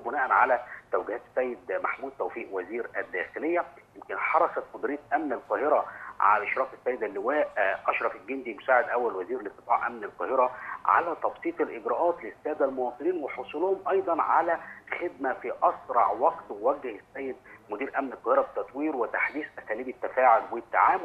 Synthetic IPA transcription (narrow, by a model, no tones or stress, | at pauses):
bʊnæːʔænʕalæt̪æwɡɪhæːt̪sːæjːed̪maħmuːd̪̚t̪æwfiːʔwæziːɾæd̪ːæ̰ːxelejːæjemkɪnħɑɾˤɑsæt̪mʊd̪ɾiːt̪lʔæmnælqɑːheɾæʕa̰æʔeʃɾˤɑːfesːæjːed̪ælːɪwæːʔʔɑʃɾˤɑfelɡend̪imʊsaːʕed̪ʔæwːælwæziːɾlet̪ˤːɨ̥fɑːʕʔæmnælqɑːheɾæʕa̰læt̪ˤɑbsˤiːt̪ˤelʔɪɡɾæʔɑːt̪lesːæːd̪ælmowɑːt̪ˤɨniːnweħosˤuːlʊhomʔɑjd̪ˤɑnʕalæxed̪mæfiʔɑsɾˤɑ̰ʕwɑɡt̪wewæɡːehesːæːjːed̪mʊd̪iːɾʔæmnelqːɑːheɾɑbet̪ːɑt̪ˤwiːɾwet̪aħd̪iːsʔæsæːliːbet̪ːæfæːʕolwet̪ːa̰ʕaːm